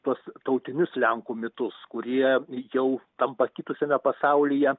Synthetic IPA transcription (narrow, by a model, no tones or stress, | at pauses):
t̪uɔst̪ɐʊt̪ʲɪnʲʊslʲɛŋkuːmʲɪt̪ʊskʊɾʲiɛjɛʊt̪ɐmpɐkʲit̪ʊsʲɛmʲɛpɐsɐʊlʲijɛ